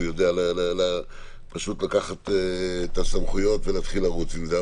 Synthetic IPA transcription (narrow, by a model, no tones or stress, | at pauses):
jo̞dealalala | paʃut̪lakaχateːt̪asamχujo̞t̪velaːt̪χilaʁut͡simzea